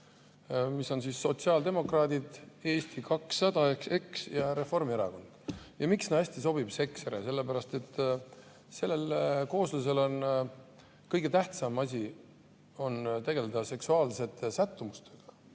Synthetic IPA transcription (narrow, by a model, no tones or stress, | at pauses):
misːo̞nsisːo̞t̪siɑːld̪e̞mo̞krɑːd̪id̪e̞ːst̪ikɑksːɑd̪̥ɑekse̞ksjɑɾe̞fo̞rmieɾɑko̞nd̪̥jɑmiksneɑsʲt̪is̬o̞b̥ib̥se̞kseɾese̞lːepæɾɑst̪e̞t̪ːˑ | se̞lːe̞lko̞ːslus̬e̞lo̞n | kɤjɡ̥e̞t̪æht̪sɑmɑsʲi | o̞nt̪e̞ɡe̞led̪̥ɑse̞ksuɑːlse̞t̪ːesæt̪ˑːumust̪e̞ɡ̥ɑ̥